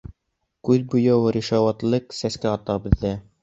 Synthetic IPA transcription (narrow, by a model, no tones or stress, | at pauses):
kʉðbujɤwɾiʃɑwɑt̪lˠɤqsæskæɑt̪ɑbɘ̆ðːæ